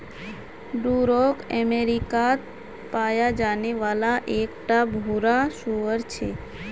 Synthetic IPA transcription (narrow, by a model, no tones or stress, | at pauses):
ɖuɾokəmeɾikat̪ | pajad͡ʒaneʋalaʔekʈabʱuɾaʃuʋəɾt͡ʃʰe